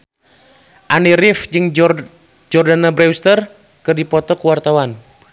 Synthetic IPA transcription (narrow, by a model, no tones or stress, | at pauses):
ʔaniɾifd͡ʒɨŋ | d͡ʒɔrdanabɾɛwst̪ər | kɨrdipɔt̪ɔkuwart̪awan